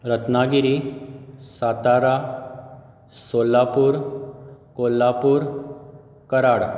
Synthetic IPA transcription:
ɾət̪naɡiɾi | sat̪aɾa | solːapuːɾ | kolːapuːɾ | kəɾaɽ

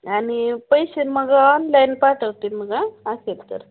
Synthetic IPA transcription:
anipəjɕeməɡaɔnlajnpaʈəwt̪iməɡaːselt̪ə̰ɾ

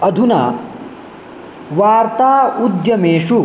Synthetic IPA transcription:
ɐd̪ʱuna̰ | ʋaːɾt̪aːud̪jɐmeːʂu

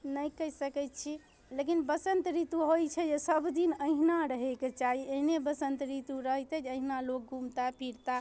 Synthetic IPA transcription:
nəjkəɦisəkɛt̪t͡ʃʰi | lekinbəsənt̪ɾit̪uɦojt͡ʃʰɛd͡ʒesəbd̪inəɦinaɾəɦeket͡ʃaɦieɦnebəsənt̪ɾit̪uɾəɦt̪ɛd͡ʒəɦinalok̚ɡʱumt̪apʰiɾt̪a

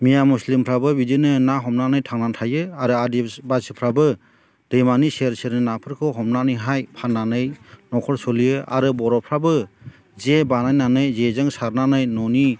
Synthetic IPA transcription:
mijamuslimpʰɾabɯbidinɯnaɦɔmnanɯjtʰaŋnantʰajɯaɾɯadibasɯpʰɾabɯ | d̥ɯjmaniseɾseɾnɯnapʰɯɾkʰɯɦɔmnanɯɦajpʰanːanɯjnɔkʰɔɾsɔlijɯa̰ɾɯbɔɾɔpʰɾabɯ | zebanajnanɯjzezɯŋsaɾnanɯjnɔni

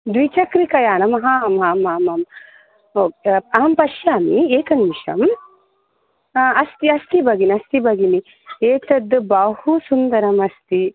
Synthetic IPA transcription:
d̪wʋit͡ʃɐkɾikɐjaːnɐmɐɦɐmaːmaːmɐm | oːaːmpɐʃjaːmieːkɐnʋiʃɐ̰m | ɐst̪iɐst̪ibɐɡiniɐst̪ibɐɡini | eːt̪ɐd̪bɐhusund̪ɐɾɐmɐst̪i

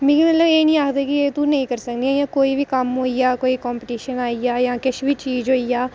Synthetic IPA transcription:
mĩːkːmət̪ləbeːnĩːaːkʰd̪eːkɪeːt̪ũːnəĩːkəɾsəkd̪iːajãːkoːiːʋiːkəmɦoːijaːkoːiːkɔːmpəʈiːʃənaːiaːjãːkɪt͡ʃʋiːt͡ʃiːzɦoːiːjaː

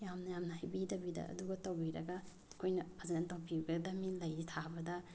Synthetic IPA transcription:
jamnɐjamnɐhajbidɐbidɐ̰ɐ̰duɡɐtɐwbiɾɐɡɐ | kʰojnɐazɐnɐtɐwbiuɡɐdɐmilɐjɾitʰabɐdɐ

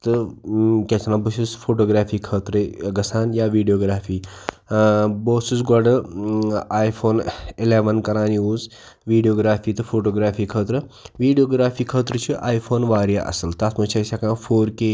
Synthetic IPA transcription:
t̪ɨkʲet͡ʃʰnaːbususfʰoːʈoːɡɾaːfʰiːkʰəːt̪ɾəɡɐsaːnjaːʋiːɖijoːɡɾaːfʰiː | boːsusɡɐɖɐ | aːjfʰoːnɪleːʋɐnkɐɾaːniuːz | ʋiːɖijoːɡɾaːfʰiːt̪ɨfʰoːʈoːɡɾaːfʰiːkʰəːt̪ɾɨʋiːɖijoːɡɾaːfʰiːkʰəːt̪ɾət͡ʃʰiʔaːjpʰoːnʋaːɾjaʔɐ̰sɐlt̪asmɐt͡ʃʰɐsakãːfʰoːɾke

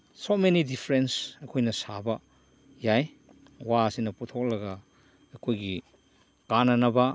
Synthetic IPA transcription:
somenidipʰɾensɐkʰojnɐsabɐ | jaj | waɐsinɐputʰok̚lɐɡɐː | kʰojɡi | kanɐnɐbɐ

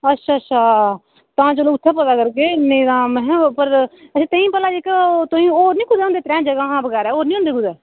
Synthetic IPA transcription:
ətːʃʰaːətːt͡ʃʰaː | t̪ãːt͡ʃoːloːʊt̪ʰːaːpəd̪aːkəɾkeːnəĩd̪ãːmɛ̃ɦpəɾəːt̪əĩːpəlːaːd͡ʒikət̪oĩːoːɾnĩːkʊd̪ːõːnd̪eːt̪ɾɛ̃ːd͡ʒəɡãːɦãːbəɡɛːɾɛːoːɾnĩːõnd̪eːkʊd̪ɛː

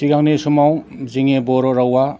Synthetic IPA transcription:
tiɡaŋnisumaw | ziŋebɔɾɔɾawa

